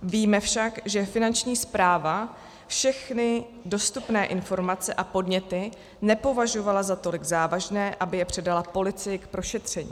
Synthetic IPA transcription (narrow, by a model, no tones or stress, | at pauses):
viːmɛfʃakʒɛfɪnant͡ʃɲiːspɾaːva | fʃɛxnɪ | do̞st̪upnɛːʔɪnfo̞ɾmat͡sɛʔapo̞dɲɛt̪ɪ | nɛpo̞vaʒo̞valazat̪o̞lɪɡzaːvaʒnɛːʔabɪjɛpr̝̥ɛdalapo̞lɪt͡sɪjɪkpɾo̞ʃɛt̪r̝̥ɛɲḭː